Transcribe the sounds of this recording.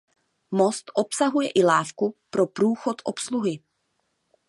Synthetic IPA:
mo̞st̪ʔopsaɦujɛʔɪlaːfkupɾopɾuːxo̞t̪ʔopsluɦɪ

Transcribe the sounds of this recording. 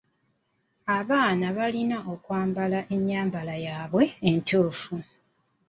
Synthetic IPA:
aβaːnaβalinaʔo̞kwaːmbalaʔe̞ɲːaːmbalajaːβwe̞ːntuːfu

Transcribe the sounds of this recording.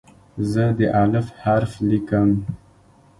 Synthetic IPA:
zəd̪əʔalɪfhaɾflikəm

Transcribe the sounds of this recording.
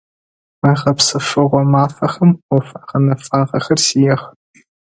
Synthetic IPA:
mɐʁɐpsɨʂɨʁʷɔmaːfɐxɐmʷɔfaqɐnɐfʼaːʁɐxɐrsijɛχ

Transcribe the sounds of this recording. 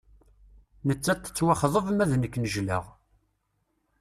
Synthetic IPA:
nət͡sːæt̪ːə̥t͡sːwaχðˤəvəmæðnəkːnəʒlə̰ʁ

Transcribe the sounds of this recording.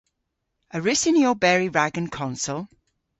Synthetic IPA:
əɹɪsɪ̃njobɛːɹiɹaɡə̃nkʰɒ̃nsəlˠ

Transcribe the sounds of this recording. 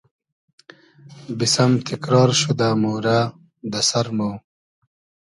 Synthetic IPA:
bisɐmt̪ʰikɾɑːɾɕud̪amuːɾa | d̪ɐsɐɾmow

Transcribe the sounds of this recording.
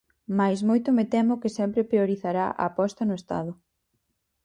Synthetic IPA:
majsmojt̪ʊmɪt̪ɛmʊkɪsɛmpɾɪpɾioɾiθaɾa̰ʔɐ̰ːpɔst̪ɐnʊest̪a̰ðʊ

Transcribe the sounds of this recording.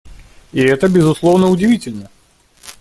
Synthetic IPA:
iɛt̪əbʲɪzʊslˠovnəʊdʲɪvʲitʲɪlʲnə

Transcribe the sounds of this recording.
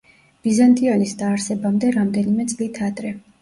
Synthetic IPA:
b̥izant̪ʼiɔnisd̪aːɾsɛbamd̪ɛɾamd̪ɛnimɛt̪sʼlit̪ʰad̪ɾɛ

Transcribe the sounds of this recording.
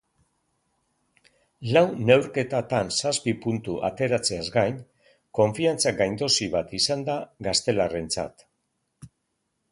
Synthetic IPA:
lawne̞wɾke̞t̪at̪ansaspipunt̪uʔa̰t̪e̞ɾat͡seazɡajn | ko̞ɱfiant͡saɡajnd̪o̞siβat̪isand̪aɡast̪e̞lare̞nt͡sa̰t̪

